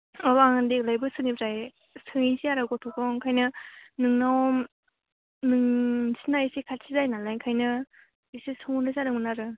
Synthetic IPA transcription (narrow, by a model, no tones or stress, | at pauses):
ɔbaŋɯndek̚lajbɯsɯnibzaj | sʰɯŋisiaɾaɡɔtʰɔkɔŋkʰajnɯnɯŋnawɔm | nɯŋsʰinaisikʰatsʰizajnalajkʰajnɯ | isisɯŋnɾɯsaɾɯŋmɯnaɾɯ